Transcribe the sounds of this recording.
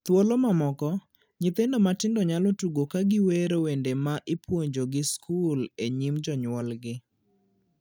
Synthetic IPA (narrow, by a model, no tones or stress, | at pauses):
t̪wolomamɔkɔ | ɲɪt̪endomatɪndɔɲalɔtuɡokaɡɪweɾowendemaʔɪpwoɲd͡ʒoɡɪskʰuleɲimd͡ʒɔɲwɔlɡɪ